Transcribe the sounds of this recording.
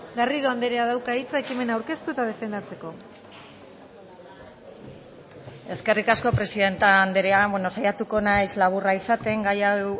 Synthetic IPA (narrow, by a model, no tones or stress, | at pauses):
ɡariðo̞and̪eɾeaðawkait͡saekime̞nawɾke̞st̪uet̪að̞e̞fe̞nd̪at͡se̞ko̞ | e̞ske̞rikasko̞pɾe̞siðe̞nt̪aːnd̪eɾeabweno̞sajat̪uko̞najzlaβ̞uraisat̪e̞ŋɡaja